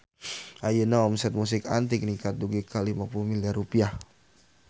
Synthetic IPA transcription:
ʔajənaɔmsɛt̪̚mus̬ɪkant̪ɪk̚nikat̪̚duɡikʰalimapulumiliarupiah

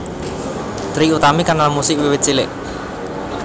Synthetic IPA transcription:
d̪ɾiut̪amikanalamusɪʔwiwɪt̪̚t͡ʃilɪ̰ʔ

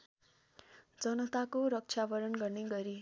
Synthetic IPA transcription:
d͡zʌnʌt̪akoɾʌk̚t͡ʃʰjabʌɾʌnɡʌrneɡʌɾi

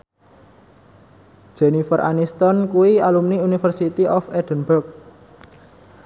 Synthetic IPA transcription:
ʒ̥ɛnifərʔa̰nist̪ɔnkuwialumniunifərsit̪iʔɔfɛd̥ənburk̚

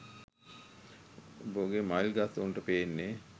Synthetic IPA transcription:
boɡemajlɡasonʈəpeːnːe

